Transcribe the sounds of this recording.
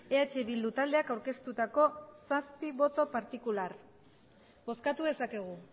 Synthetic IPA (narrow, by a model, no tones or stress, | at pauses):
e̞at͡ʃe̞βild̪ut̪ald̪e̞akawɾke̞st̪ut̪ako̞saspiβo̞t̪o̞paɾt̪ikular | bo̞skat̪uðe̞sake̞ɣ̞u